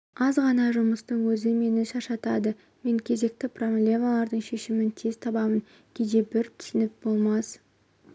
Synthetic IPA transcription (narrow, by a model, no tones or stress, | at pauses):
ɑzʁɑnɑʒʊməst̪əɴwɵzɪme̞nɪʃɑʃɑt̪ɑd̪ə | me̞ŋkʲʰe̞ze̞k̚t̪ɪpro̞blʲe̞malˠɑɾd̪əɴʃe̞ʃɪmɪnt̪ʰez̥t̪ʰɑbɑmən | kʲʰed̪e̞bɪɾt̪ʰʏ̥sɪnɪp̚bo̞lˠmɑs